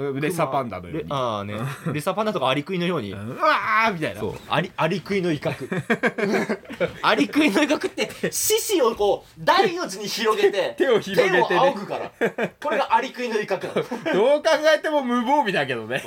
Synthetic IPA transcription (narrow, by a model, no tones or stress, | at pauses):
ɾesapãnd̪a̰nojo̰ɲanḛɾesapãnd̪at̪okaːɾʲikɯ̟inojo̞ːɲ̟ḭamʲit̪ainaso̰ːa̰ɾʲiaɾʲikɯ̟ino̞ikakɯ̟ | aɾʲikɯ̟ino̞ikakɯ̟t̪ːe̞ɕiɕio̞ko̞ː | d̪ainot͡sɨɲ̟içiɾo̞ɡet̪e̞t̪e̞oçiɾoɡe̞eaokɯ̟kaɾa̰ko̞ɾe̞ɡaʔaɾʲikɯ̟ino̞ikakɯnã̰d̪eoːkãŋɡaet̪e̞momɯ̟boːbʲid̪ak̬e̞d̪o̞ne